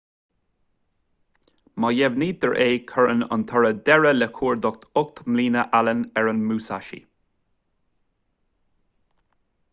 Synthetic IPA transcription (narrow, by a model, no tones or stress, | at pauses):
majɛvniːd̪əɹʔeːkʰəɹə̰nə̰nt̪ʰɔɹəd̪ɛɹəlɛkʰuːɹd̪ɔk̚t̪ʰʊk̚t̪mliːnəʔalənɛɹənmuːsa̰ʃḭ